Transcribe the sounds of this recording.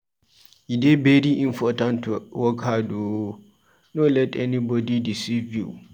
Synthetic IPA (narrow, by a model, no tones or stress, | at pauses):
jidebediʔĩmpʰɔtãntʰuwɔkʰadu | nolɛtʰɛnĩbɔdidisivjṵ